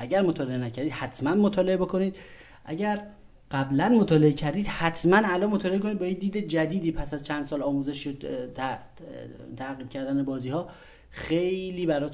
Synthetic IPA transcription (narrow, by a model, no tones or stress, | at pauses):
ʔæɟæɾmot̪ʰɒːle̞enæcʰæɾd̪iːd̪hæt̪ʰmænmot̪ʰɒːle̞bokʰo̞niːd̪ | ʔæ̰ɟæɾ | ɢ̥æblænmot̪ʰɒːle̞ecʰæɾd̪iːd̪̥hæt̪ʰmænælɒːnmot̪ʰɒːleekʰonid̪̚bɒjed̪iːd̪e̞d͡ʒæd̪iːd̪iːpʰæsæzt͡ʃʰænd̪sɒːlɒːmuːzeʃo | t̪ʰæɣiːb̥̚cʰæɾd̪ænebɒːziːhɒː | xe̞jliːbæɾɒːt̪